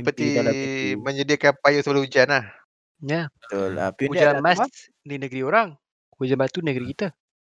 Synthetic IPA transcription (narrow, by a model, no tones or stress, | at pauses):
pət̪i | məɲədiakanpajusəbalahud͡ʒanlah | jaʊl̰hud͡ʒamas | dinəɡəɾioɾaŋ | hud͡ʒanbast̪unəɡəɾikit̪ə